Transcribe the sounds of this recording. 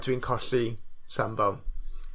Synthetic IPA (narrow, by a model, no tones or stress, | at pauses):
dwinkʰɔɬisambav